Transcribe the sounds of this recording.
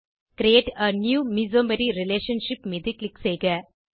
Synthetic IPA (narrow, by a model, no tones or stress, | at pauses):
kɾieːʈɐnjuːmizoːmɐɾiɾɪleːʃɐ̃nʃɪpmed̪iklɪksejɡɐ